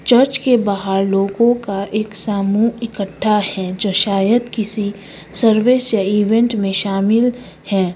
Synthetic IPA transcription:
t͡ʃəɾt͡ʃkebaɦaɾloːɡõkaʔeːksaːmuːɪkəʈʰːahɛd͡ʒoːʃaːjəd̪kɪsi | səɾʋeːsjaiːʋɛ̃ɳʈmẽʃaːmɪl | hɛ̃ː

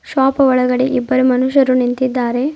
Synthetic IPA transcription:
ʃʋaːpɐʋɔɭɐɡɐɽeʔibːɐɾumɐnuʃɐɾunint̪id̪ːaːɾe̞

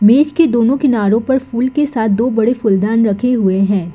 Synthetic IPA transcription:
meːt͡ʃked̪oːnõkɪnaːɾõpɐɾfuːlkesaːt̪̚ʰd̪oːbɐɽefʊld̪aːnɾɐkʰeɦʊeɦɛ̃ː

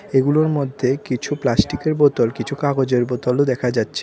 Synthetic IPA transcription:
eɡuloɾmod̪ʱːekit͡ɕʰuplasʈikeɾbɔt̪ɔlkit͡ɕʰukaɡod͡ʑeɾbɔt̪ɔlod̪ɛkʰad͡ʑatːɕʰe

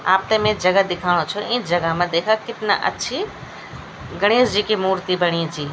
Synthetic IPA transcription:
a̰ːp̚t̪əmẽd͡ʒəɡəd̪ɪkʰaɽ̃õt͡ʃʰɔĩd͡ʒəɡəɦmẽd̪ekʰəkɪt̪na̰ʔə̰tːʃʰi | ɡəɽ̃isd͡ʒikimuɾt̪ibəɽ̃id͡ʒi

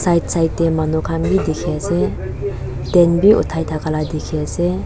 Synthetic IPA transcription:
sajt̚sajtdemanɔkʰamɡidekʰease | d̥ɛnbiʔṵtʰːajtʰakʰaladekʰiase

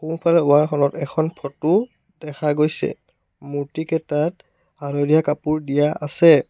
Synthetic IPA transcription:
kunpʰalɛʊwaɹxʰɔnɔtɛkʰɔnpʰɔtʊ | d̥ɛkaɡojsɛ̰ | muɹtikɛtat̚ | aɹɔdijakapuɹdijaasɛ

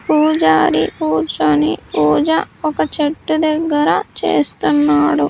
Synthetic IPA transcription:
puːd͡ʒaːɾipuːɾt͡ʃonipuːd͡ʒɐɔkɐt͡ʃeʈːud̪ɐɡːɐɾɐt͡ʃḛːst̪unːaːɽu

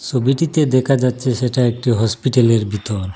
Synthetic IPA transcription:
t͡ɕʰobiʈit̪ed̪ɛkʰad͡ʑatːɕʰeʃeʈaek̚ʈiɦɔspiʈaleɾbit̪oɾ

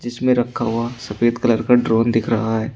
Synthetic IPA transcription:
d͡ʒɪsmẽɾɐkʰːaɦuasɐfeːt̪kɐləɾkaɖɾoːnd̪ɪkʰɾɐɦaɦɛː

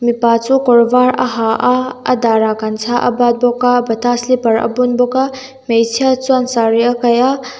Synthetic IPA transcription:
mipat͡sukɔɾbaɾɐ̰ɦaʔaɐ̰daɾakansʰaʔɐ̰bat̪̚bɔkabɐtʰaslipɐɾɐ̰bunbɔka | mejsʰiat͡suansaɾiakaja

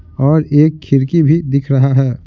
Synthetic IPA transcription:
ɔːɾeːkʰːɪɾkibʱid̪ɪkʰɾɐɦaɦɛː

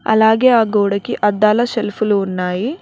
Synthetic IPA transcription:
ɐ̰laːɡeːaːɡoːɽɐkiʔɐd̪ːaːlɐʃelpuluːnːaːji

